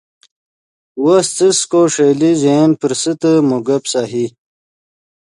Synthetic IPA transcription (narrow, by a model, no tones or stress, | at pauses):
wast͡səskoʂeːlizenpəɾsət̪əmuɡɐpsaːɦi